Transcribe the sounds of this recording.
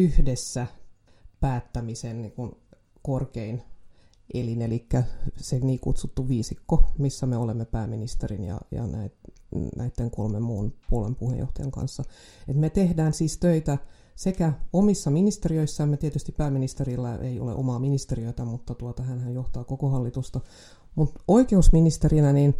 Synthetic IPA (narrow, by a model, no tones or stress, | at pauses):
yhdesːæ | pæːt̪ːæmisenniːkun | korkein | ʔelinelikːæseniːkut̪sut̪ːuʋiːsikːomisːæmeolemːepæːminist̪erinjɑ̰jɑ̰næ̰it̪nʔæ̰it̪ːeŋkolmemːuːnpuolḛmpuhḛjo̰ht̪ɑjɑ̰ŋkɑ̰nsːɑet̪met̪ehdæːnsiːst̪øit̪æ | sekæomisːɑminist̪eriøisːæemːet̪iet̪yst̪ippæːmːinist̪erilːæḛiolḛʔo̰mɑːminist̪eriøit̪æmut̪ːɑt̪uot̪ɑɦænhæjjoht̪ɑːkokohɑlːit̪ust̪ɑ | mut̪oikeusminist̪erinæniːn